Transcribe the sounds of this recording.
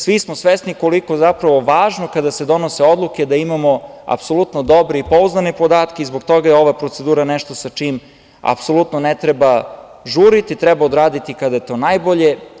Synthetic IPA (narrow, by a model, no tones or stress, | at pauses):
sʋismosʋesniko̞liko̞zapɾaʋo̞ʋaːʒnokad̪ase̞d̪o̞noseo̞d̪lˠuke̞d̪aimamo̞a̰pso̞lˠut̪nod̪o̞bɾeipo̞uznanepo̞d̪aːt̪keizboɡt̪o̞ɡajeo̞ʋapɾo̞t̪se̞d̪uːɾaneʃt̪o̞sat͡ʂim | a̰pso̞lut̪nonet̪ɾeba | ʒuːɾit̪it̪ɾɛbaod̪ɾaːd̪it̪ikad̪ajet̪o̞ːnajboʎe̞